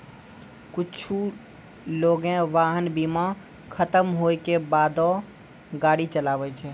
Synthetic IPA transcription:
kut͡ʃʰu | loɡẽʋaɦənbima | kʰət̪əmɦojkebad̪ɔ | ɡaɽit͡ʃəlabɛt͡ʃʰɛ

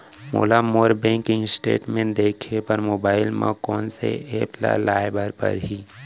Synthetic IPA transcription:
mo̰ːlamoːɾbɛ̃ːŋkɪ̃ŋɡsʈeːʈmẽnd̪eːkʰepəɾmoːbaːɪlmãkɔːnsḛeːpla̰laːɪbəɾpə̰ɾɦiː

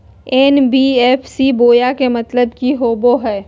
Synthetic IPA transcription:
ɛːnbiːɛːpʰsiboːjakemɐt̪ləbkiɦoːboɦɛː

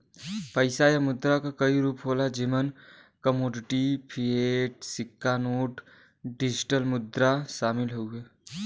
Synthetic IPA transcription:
pəɪsajamʊd̪ɾakakəiɾuːpɦoːlad͡ʒimən | kəmoːɖɪʈipʰieːʈsɪkːanoːʈ | ɖɪd͡ʒɪʈəlmʊd̪ɾaʃaːmɪlɦoueː

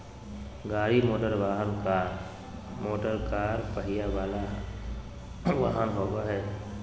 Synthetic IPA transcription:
ɡaːɾimoːʈəɾʋaːɦənkaːɾ | moːʈəɾkaːɾpəɦijaʋaːla | ʋaːɦənɦoːɡaɦɛː

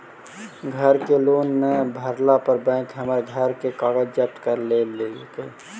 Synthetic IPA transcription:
ɡʱəɾkelonːebʱəɾlapəɾbɛ̃ɪkɦəməɾɡʱəɾkekaːɡəd͡ʒd͡ʒəp̚t̪kəɾleleke

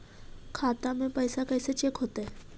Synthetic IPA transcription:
kʰat̪amẽpəjsakəjset͡ɕekɦot̪ae

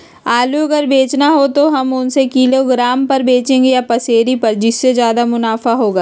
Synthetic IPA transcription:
aːluɐɡəɾbeːt͡ʃnaɦot̪oɦɐmʊnsekiːloɡɾaːmpɐɾbeːt͡ʃẽːŋɡejapɐseːɾipɐɾd͡ʒɪsːezjaːd̪amʊnaːfaɦoːɡaː

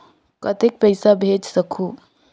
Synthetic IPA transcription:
kət̪ek̚pəɪsabʱed͡ʒsəkʰu

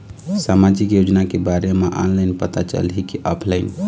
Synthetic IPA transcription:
samad͡ʒikjod͡ʒnakebaɾemeʔɔ̰nlaɪnpət̪at͡ʃə̰lɦikiʔɔpʰlaɪn

